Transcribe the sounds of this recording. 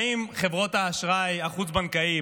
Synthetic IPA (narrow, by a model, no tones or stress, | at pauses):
imχe̞vʁo̞t̪aːʃʁajaχut͡sbankai